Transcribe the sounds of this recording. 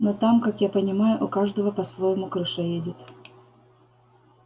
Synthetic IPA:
not̪amkakjapənʲɪmajʊʔʊkaʐd̪əvəpɐsvojɪmʊkɾɨʂɛjedʲɪt̪

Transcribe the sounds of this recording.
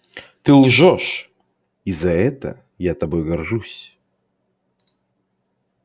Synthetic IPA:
t̪ɨlˠʐoʂ | izɐɛt̪ə̰ | jat̪ɐbojɡɐrʐusʲ

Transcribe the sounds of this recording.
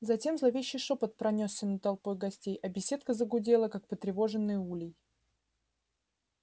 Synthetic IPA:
zɐtʲe̞mzlˠɐvʲeɕːɪjʂo̞pət̪̚pɾɐnʲosːʲənət̪ɐlˠpo̞jɡɐsʲtʲejɐbʲɪsʲe̞t̪kəzəɡʊdʲe̞lˠəkak̚pət̪ɾʲɪvo̞ʐɨnːɨjulʲɪj

